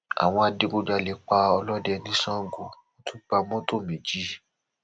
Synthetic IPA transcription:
a̰˨w̃ɔ̃˧a˧de˨˧ɡo˧d͡ʒa˧˨le˨˦k͡pa˧ɔ˧lɔ˦dɛ˧nĩ˦sã˦ɡo˨mõ˦tʰũ˦ba˧mɔ̃˦to˦˨mẽ˨d͡ʒi˦

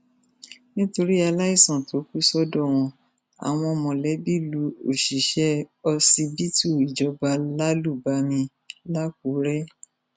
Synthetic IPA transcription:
nĩ˦to˧ɾi˦a˧la˦i˦˨sã˨to˨˦ku˦sɔ˦dɔ˦˨w̃ɔ̃˧ | a̰˨w̃ɔ̃˧mɔ̃˨lɛ˨˦bi˦˨lu˧o˨ʃi˨ʃɛ˦ɔ˧si˧bi˦tu˦˨i˨d͡ʒɔ˧ba˧la˦lu˦˨ba˧˦mĩ˧ | la˦k̚u˨˦ɾɛ˦

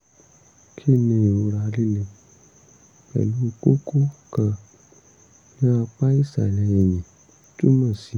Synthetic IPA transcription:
kʰi˦˨nẽ˧˨o˧ɾa˧˨˧li˦le˧ | k͡pɛ̰˨lu˦˧ko˦ko˦kã˧ | nã˦a˧k͡pa˦i˦˨sa̰˨lɛ˧jɛ˨ɲĩ˨ | tu˦mã˦˨si˨

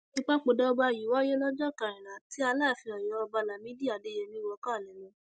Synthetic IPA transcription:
nĩ˦k͡pa˦k͡po˧dɔ˦ɔ˧ba˧˨ji˨wɔ˦jɛ˦lɔ˦d͡ʒɔ˦˨ka˨ɾ̃ĩ˨ɾã˨ti˨˦a˧la˦˨fi˧ɔ˨jɔ˨˦ɔ˧ba˧la˨mĩ˦di˦˨a˨de˨˦jɛ˧mĩ˦wɔ˧kã˦˨lɛ˨˦lɔ̃˨˧˦

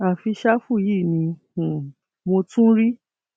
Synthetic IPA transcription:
a˨fi˧ʃa˦fu˦˨ji˦˨nĩ˧˨ | mo˧tũ˦ɾi˦

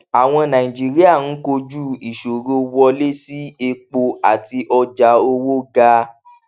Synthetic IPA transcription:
a˨w̃ɔ̃˧nã˨ĩ˨d͡ʒi˦ɾi˦a˦˨n̩˦ko˧d͡ʒu˦˨i˨ʃo˨ɾo˦wɔ˧le˦si˦e˧k͡po˧a˨ti˧ʔɔ˧d͡ʒa˧˦o˦wo˦ɡa˧

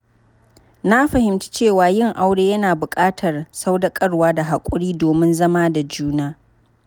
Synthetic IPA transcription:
na˦ɸɐ˨hɪ˨mt͡ʃi̥˦t͡ʃeː˦˨waː˨jɪ˦˨ŋʔa˦wɽeː˦jɐ˦naː˨bʊ˨kʼaː˦tʰɐ˨rsa˦wda˦kʼɐ˦rwaː˦da˨ɦa˨kʷʼʊ˦ɽiː˦doː˨mɪ˦nzɐ˦maː˦da˨d͡ʒuː˦naː˦

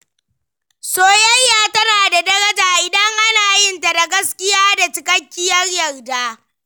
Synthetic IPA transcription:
soː˦jɐ˦jːaː˦˨tɐ˦naː˨da˨dɐ˦ɾɐ˦d͡ʒaː˨ʔɪ˨dɐ˦ŋʔa˦naː˨jɪ˦nta˨da˨ɡɐ˦skʲɪ˦jaː˦da˨t͡ʃɪ˨kɐ˦kʲːɪ˦jɐ˦rjɐ˨rdaː˦

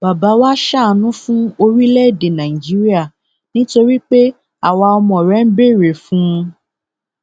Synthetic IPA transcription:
b̥a˨ba˨˦wa˦ʃa˦˧nũ˦fũ˦o˧ɾi˦lɛ˦˨de˨nã˨i˨d͡ʒi˨˦ɾi˦a˦˨ | nĩ˦to˧ɾi˦k͡pe˦ | a˦˨wa˧ɔ˧mɔ̃˨ɾɛ˨˦n̩˦be˦˨ɾe˨fũ˦˧

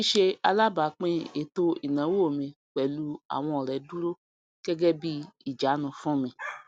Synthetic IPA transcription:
i˦ʃe˧a˧la˦ba˨˦k͡pẽ˦e˨to˧i˨nã˨˦wo˦˨mĩ˧˨k͡pɛ˨lu˧˦a̰˨w̃ɔ̃˧ɔ˨ɾɛ˨˦du˦ɾo˦ | ɡ̥ɛ˦ɡɛ˦bi˦i˦˨d͡ʒa˨˦nũ˧fũ˦˨mĩ˧

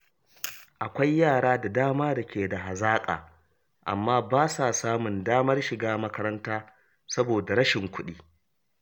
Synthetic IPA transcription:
ʔa˨kʷa˦jːaː˦˨ɽaː˦da˨daː˦maː˦dɐ˨kʲʰeː˨da˨ɦa˨zaː˦kʼa̰ː˨ | ʔa̰˨mːaː˦baː˦sa˨saː˦mʊ˨ndaː˦mɐ˦rʃɪ˨ɡaː˦mɐ˦kɐ˦ɾɐ˦ntaː˦ | sɐ˦boː˨da˨ɾɐ˦ʃɪ˨ŋkʷʊ˦ɗiː˦

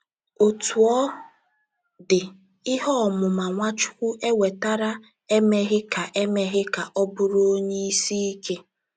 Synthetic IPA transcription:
o˨tu˨ɔ˦ | dɪ˨ | ɪ˦ɦɔ˦˨mʊ˨ma˨ŋʷa˦t͡ʃʊ̥˦kʷu˦ʔe˦we˨ta˦ɾa˦ | e˦me˦ɣɪ˦ka˨ʔe˦me˦ɦɪ˦ka˨ʔɔ˦bʊ˦ɾo˦o˦ɲe˦i˦si˦i˦ke˦

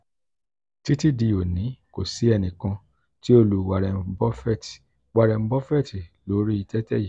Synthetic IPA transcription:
ti˦ti˦di˧o˨nĩ˨˦ko˨si˨˦ɛ˧nĩ˨kã˧ | ti˦o˦˨lu˨wa˨ɾɛ˨˦bɔ˦fɛ˦˨ti̥˨ | wa˨ɾɛ˨m̩˦bɔ˦fɛ˦˨ti˨lo˨˦ɾi˦i˧tɛ˦tɛ˦ji˨

